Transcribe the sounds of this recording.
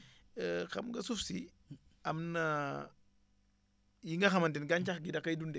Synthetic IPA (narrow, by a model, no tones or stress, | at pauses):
xɐ̰mŋɡɐsufsi | ɐmnɐ | jiŋɡɐxɐmɐntinɡant͡ʃaxɡidɐkajdundɛ